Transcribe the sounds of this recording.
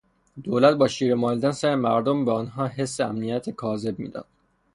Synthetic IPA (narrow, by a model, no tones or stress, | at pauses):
d̪̥oːlæt̪̚bɒːʃiːɾemɒːliːd̪ænsæɾemæɾd̪ombeɒːnɦɒːɦe̞sːeæmnijæt̪ʰekʰɒːze̞b̚mḭːd̪ɒ̰nd̪̥